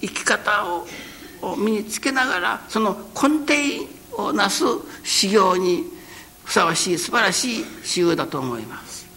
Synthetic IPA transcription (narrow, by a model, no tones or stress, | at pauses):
ikʲi̥kat̪ao | omʲiɲ̟it͡sɨ̥ke̞naɡaɾa̰so̞no̞kʰõ̞nt̪ẽ̞ĩ | onasɨɕiɡʲo̞ːɲ̟i | ɸɯ̟̥saβaɕiːsɨbaɾaɕiːɕijɯːd̪at̪o̞ːmo̞imasɨ̥